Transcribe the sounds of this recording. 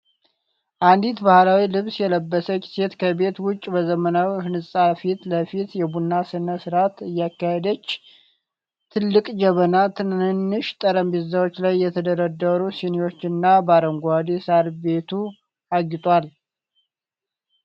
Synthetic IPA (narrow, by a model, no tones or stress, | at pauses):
ʔand̪it̪bahlawilɨβsjɛləbːəsəki̥se̞t̪kʰəbe̞t̪wʊt͡ʃʼːbəzəmənawihɨnɨsʼafit̪ləfit̪jɛbunːasɨnəsɨɾat̪ɨjːakːahed̪ət͡ʃː | t̪ʰɨlːɨkʼd͡ʒəβənat̪ʰɨnhɨnːɨʃt̪ʼəɾəmbizawo̞t͡ʃːlajːɛt̪ʰəd̪əɾəd̪əɾusiniwo̞t͡ʃːɨnːabaɾəŋɡʷad̪isaɾbe̞t̪ʰu | aɡɪt̪ʼwal